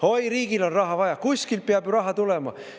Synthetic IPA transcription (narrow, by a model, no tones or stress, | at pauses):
o̞jɾiːɡilo̞nrɑɦɑvɑjɑkuskilpeɑbjɾɑɦɑt̪ulemɑ̰